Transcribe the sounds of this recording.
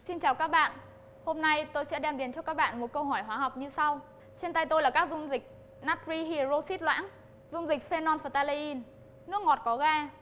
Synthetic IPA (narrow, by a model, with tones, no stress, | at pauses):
si˧nt͡ɕaː˨˩wkaː˦˥k̚ɓa̰ː˧˨n | ho˧mna˧jt̪o˧jsɛ̰˧˥ɗɛ˧mɗi˨˦ənt͡ɕɔ˧kaː˦˥k̚ɓa̰ː˧˨nmo˨˩t̚kə˧wɦɔ˧˩jɦwaː˨˦ɦa˨˩wk͡p̚ɲɨ˧sa˧w | t͡ɕe˧nt̪a˧jt̪o˧jlaː˨˩kaː˦˥k̚zʊ˧ŋ͡mzï˨˩k̟̚ | naː˦˥t̚ɹi˧ɦi˧zo˧si˦˥t̚lwa̰ː˧˥n | zʊ˧ŋ͡mzï˨˩k̟̚fe˧nɔ˧nfə˨˩t̪aː˧le˧ʔi˧n | nɨ˦˥ək̚ŋɔ˨˩t̚kɔ˨˦ɣaː˧